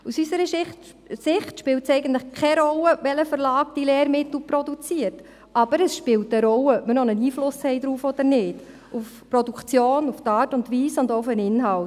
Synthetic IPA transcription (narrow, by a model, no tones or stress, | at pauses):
usysəɾəɪ | sɪχtʃpɪwtsɛɪɡəntləχkʰɛɾɔləʋɛləfəɾlɑːk̚d̥ileːɾmɪtl̩pɾɔdut͡siəɾt | ɑb̥əɾəsʃpɪːlt̚əɾɔlːəœpmənɔnəniːflʊshɛɪdɾuːfɔd̥̪əɾnɪːd̥ | uf | pɾɔdukt͡sjoːnuftɑːtʊndʋiːsʊndoʊfənɪnɦɑlt